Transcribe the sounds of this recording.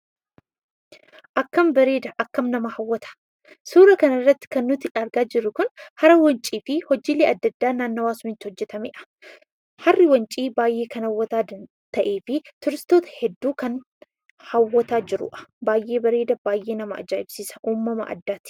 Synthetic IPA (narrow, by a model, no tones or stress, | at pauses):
ʔɐkːɐmbɐɾe̞ːd̪ɐʔɐkːɐmnɐmɐhɐwːɐt̪ʰɐ̥ | suːɾɐkɐnɐrːɐt̪ːɪ̥kɐnːʊt̪ɪʔɐɾɡaːd͡ʒɪɾːʊkʊnhɐɾɐwɐnt͡ʃʼiːfɪhɔd͡ʒiːleːʔɐd̪ːɐd̪ːaːnaːnːowaːsʊmɪt̪ːɪhɔd͡ʒːɛt̪ɐmeːʔɐ̥ | hɐrːɪwɐnt͡ʃʼiːbaːjʔeːkɐnɐwːɐt̪aːd̪ɐ | t̪ɐʔe̞ːfɪt̪ʊɾɪst̪oːt̪ɐ̥hɛd̪ːuːkɐn | hɐwːɐt̪aːd͡ʒɪɾʊ̰ʔɐ̥baːjʔe̞ːbɐɾeːd̪ɐbaːjʔe̞ːnɐmɐʔɐ̰d͡ʒaːɪbsiːsɐ̥ʔuːmːɐmɐ̰ʔɐ̰d̪ːaːt̪ɪ̥